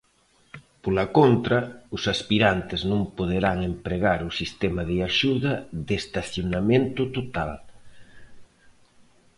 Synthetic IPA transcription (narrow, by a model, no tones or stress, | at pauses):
polakont̪ɾɐʊsaspiɾant̪eznõmpoð̞eɾaŋempɾeɣ̞aɾʊsist̪ɛmaðeaʃuðɐðest̪aθjonamẽnt̪ʊt̪ot̪al